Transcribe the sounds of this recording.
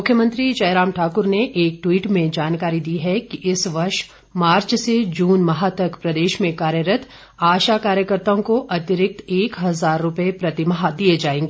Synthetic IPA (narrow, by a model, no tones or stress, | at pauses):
mʊkʰjəmə̃nt̪ɾiʃɐɪɾaːmʈʰaːkʊɾneʔeːk̚ʈwiːʈmẽd͡ʒaːnkaːɾid̪iɦɛkiʔɪsʋɐɾʃ | maːɾt͡ʃsed͡ʒuːnmɐɦat̪ɐkpɾɐd̪eːʃmẽkaːɾjəɾət̪ʰ | aːʃakaːɾjəkəɾt̪aõkoʔɐt̪ɪɾɪk̚t̪eːkɦɐzaːɾːʊpepɾɐt̪ɪmɦad̪ied͡ʒaːẽːŋɡeː